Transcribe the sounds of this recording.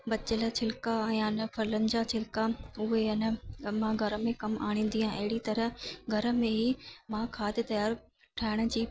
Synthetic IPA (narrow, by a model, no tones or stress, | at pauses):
bɐt͡ɕələt͡ɕʰɪlkaɛ̃ːɐnfɐɾlə̃nd͡ʑat͡ɕʰɪlkaʊɦeɐnəmãɡʱɐɾə̆mẽkɐma̰ːɽ̃ĩːnd̪iãʔɐɦɪɽit̪ɐɾəɡʱɐɾə̆mẽɦiːmãkʰaːd̪ɪt̪ɐjaːɾ | ʈʰaːɪɽ̃ə̆d͡ʑiː